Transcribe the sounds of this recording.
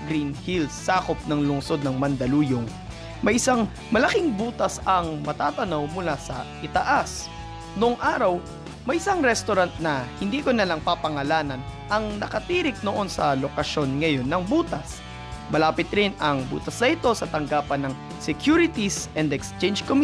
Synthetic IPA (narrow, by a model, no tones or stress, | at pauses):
ɡɾinhilsːaːkop̚nɐŋlʊŋso̞d̪̚nɐŋmɐnd̪ɐluːjoŋ | mɐjʔɪsaŋ | mɐlɐkɪŋbuːt̪ɐsɐŋmɐt̪aːt̪ɐnowmʊlasɐʔɪt̪ɐʔas | noʔŋʔaːɾɐw | mɐjɪsaŋɾɛst̪oɾant̪̚nɐhɪnd̪iːkonɐlaŋpapɐŋɐlaːnɐnʔɐŋnɐkɐt̪iːɾɪk̚noʔo̞nsɐlokɐʃo̞nŋɐjo̞nːɐŋbuːt̪ɐs | mɐlaːpɪt̪ɾɪnɐŋbṵːt̪ɐsnɐʔɪt̪o̞sɐt̪ɐŋɡaːpɐnːɐŋ | sɛkjuɾɪt̪isɛnd̪ɛkst͡ʃɛnd͡ʒkom